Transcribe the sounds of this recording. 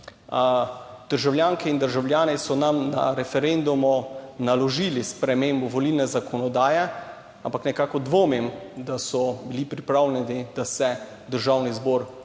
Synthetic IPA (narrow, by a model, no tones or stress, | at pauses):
d̪̥əɾʒawljaːŋkɛind̪əɾʒawljaːnɛsɔnamna̰ɾɛfɛɾend̪umɔnalɔʒilispɾɛmeːmbɔʋɔliːlnɛzakʰɔnɔd̪aːjɛ | ampaknɛkaːkɔd̪ʋoːmimd̪asɔbilipɾipɾaːwlɛnɛd̪id̪asɛ | d̪əɾʒawnizbɔːɾ